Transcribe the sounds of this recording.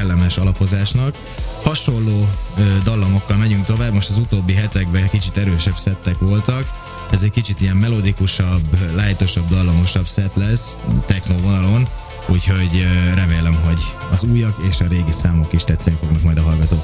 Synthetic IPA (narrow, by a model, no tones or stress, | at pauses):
ɛlːɛmɛʃɒlɒpo̞zaːʃnɒk | hɒʃo̞lːoːød̪ɒlːomo̞kːɒlmɛɟyŋk̚t̪o̞vaːbmo̞ʃt̪ɒzut̪oːbːiɦɛt̪ɛɡbɛkit͡ʃit̪ɛɾøːʃɛbsɛt̪ːɛkʋo̞lt̪ɒk | ɛzɛckit͡ʃit̪ijɛmːɛlo̞d̪ikuʃɒblaːjt̪o̞ʃɒbd̪ɒlːomo̞ʃɒbsɛt̪lɛst̪ɛxnoːvonɒlo̞n | uːcho̞ɟɾɛmeːlɛmɦo̞ɟɒzuːjɒkeːʃɒɾeːɡisaːmlokiʃt̪ɛt̪sɛnifo̞ɡnɒkmɒjd̪ɒɦɒlɡɒt̪oː